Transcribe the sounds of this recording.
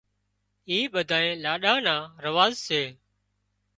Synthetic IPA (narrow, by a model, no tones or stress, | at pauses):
iːɓəd̪ʱaːẽːlaːɗaːnãːɾəʋaːzseː